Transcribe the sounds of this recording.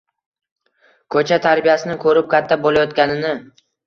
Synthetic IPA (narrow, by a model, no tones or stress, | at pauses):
kʰɵt͡ʃʰat̪ʰaɾbijasɪnɪkʰɵɾɪp̚kʲʰat̪ʰːabolajɒt̪̚kʲanɪnɪ